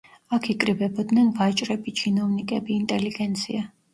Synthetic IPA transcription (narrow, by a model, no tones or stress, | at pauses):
akʰikʼɾibɛbɔd̪nɛnvat͡ʃʼɾɛbit͡ʃʰinɔvnikʼɛbiːnt̪ʼɛliɡɛnt̪sʰia